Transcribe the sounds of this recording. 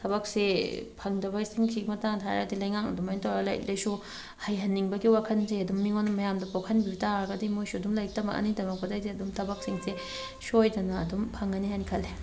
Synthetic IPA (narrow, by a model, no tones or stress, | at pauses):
tʰɐbɐk̚sepʰɐŋdɐbɐɡisiŋsʰiɡimɐtaŋtʰajɾadilɐjŋaŋɐ̰dumajnitʰawɾɐlɐ̰j̰lejsu | hɐjɦɐnːiŋbɐɡiwakʰɐnzejɐdumːiŋonːɐmɐjamdɐpokʰɐnbiitaɾɡɐdimujsuɐdumlɐjk̚tɐmɐ̰ʔɐ̰nidɐmɐk̚pɐdɐjdiɐdumtʰɐbɐk̚siŋse | sojdɐnɐɐ̰dumpʰɐŋɐniɦajnikʰɐlːe